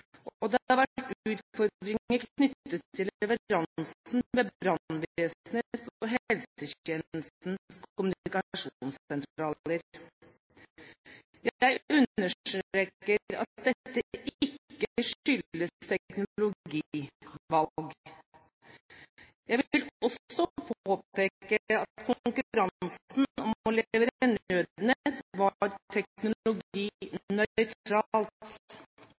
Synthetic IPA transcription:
ɔd̪ɛɑɾʋæʈʉːt̪fɔɾɾɪəɾkʰnʏt̪ːət̪ʰːɪlɛʋəɾɑnsn̩meːbɾɑnʋesnet̪sɔɦɛlsəçɛnl̩st̪n̩skʊmʉnɪkɑʂuːnsɛnt̪ɾɑːləɾ | jæɪʉnəʂʈɾɾeːkːəɾɑ̰t̪̚d̪ɛt̪ːəʔʔɪkːəʂʏləst̪ʰɛknʊlʊɡiːʋɑlɡ | jæɪʋɪlɔsɔpʰoːpeːkəɑt̪kʰʊŋkʉɾɑnsn̩ɔmɔlɛʋəɾɛnød̪nət̪ʋɑɾt̪ʰɛknʊlʊɡiːnœʏt̪ɾɑːlt̪

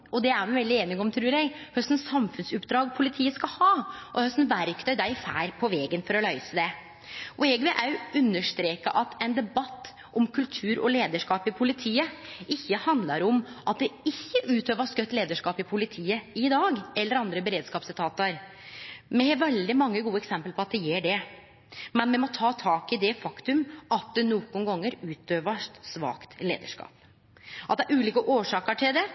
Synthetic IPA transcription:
ɔd̪ɛæɾmɛʋɛld̪ɪeːnɪɡɔmt̪ʰɾʉːɾjɛɪhœst̪n̩sɑmfʉnsʉpːd̪ɾɑːɡpʰʊlɪt̪ʰiːəskɑhɑːʔɔhœst̪n̩ʋæɾkt̪ʰœʏd̪æɪfæ̰ːɾpʰɔʋɛːɡənfɔɾɔlœʏsəd̪ɛ | ʊɛɡʋɛʔæʉnːəʂt̪ɾeːkəʔɑt̪ʰɛɪnd̪ɛbɑt̪ː | ʔɔmkʰʉlt̪ʰʉːɾɔ̰leːd̪əʂkɑːpɪpʰʊlɪt̪ʰiːəɪçːəhɑnd̪lɑɾɔmʔɑt̪̚d̪ɛɪçːəʔʉːt̪øːʋəskœt̪ːleːd̪əʂkɑːpɪpʰʊlɪt̪ʰiːəɪd̪ɑːɡɛlːəɾɑnd̪ɾəbɛɾeːd̪skɑːpsɪt̪ʰɑːt̪əɾ | mɛʋɛld̪ɪmɑŋːəɡuːəɛksɛmpəlpʰɔɑt̪̚d̪ɛjeːɖɛ | mɛnmɛmɔt̪ʰɑːt̪ʰɑːkɪd̪ɛfɑkt̪ʉmɑt̪̚d̪ɛnuːkʊnɡɑŋːəɾʉːt̪øːʋəʂsʋɑ̰ːkt̪lḛːd̪ə̰ʂkɑ̰ːp | ʔɑt̪̚d̪ɛæɾʉːliːkəʔoːʂɑːkəʈʰɪld̪ɛ

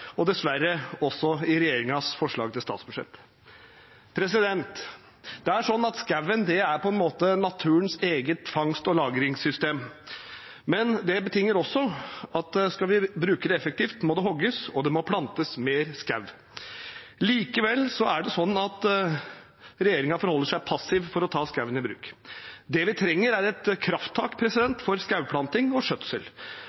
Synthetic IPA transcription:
ɔd̪ɛsʋæɾːəɔsːɔɪɾɛjeːɾɪŋɑsfɔʂɭɑ̰ːɡ̚t̪ʰɪlst̪ɑːt̪sb̥ʉʂɛ̰t̪ː | pʰɾɛsɪd̪ɛnt̪ | d̪̥ɛæʂɔnːɑt̪skæʋːənd̪ɛæɾpʰɔɛnmoːt̪ənɑt̪ʰʉːənseːɡət̪fɑŋst̪ɔlɑːɡɾɪŋsʏst̪eːm | mɛnd̪ɛbət̪ʰɪŋːəɾɔsːɔɑt̪skɑʋɪbɾʉːkəɖ̪ɛɛfɛk̚t̪iːft̪mɔd̪ɛɦɔɡəsɔd̪ɛmɔpʰlɑnt̪əsmeːɾskaʉʋ | liːkəʋɛlːsɔæɖɛsɔnːɑt̪ | ɾɛjeːɾɪŋɑfɔɾhɔlːəʂæɪpʰɑsːɪʋfɔɾɔt̪ʰɑːskɑʉʋənɪbɾʉ̰ːkd̪ɛʋɪt̪ʰɾɛŋːəɾæɾɛt̪kʰɾɑft̪ʰːɑːkpʰɾɛsɪd̪ɛnt̪fɔɾskaʉpʰlɑnt̪ɪŋɔʂœt̪səl

